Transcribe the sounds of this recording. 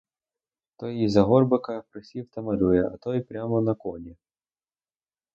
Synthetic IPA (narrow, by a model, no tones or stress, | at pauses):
t̪ɔjizɐɦɔrbɪkɐpɾɪsʲiwt̪ɐmɐɾʲujɛʔɐ̰t̪ɔjpɾʲamɔnɐkɔnʲi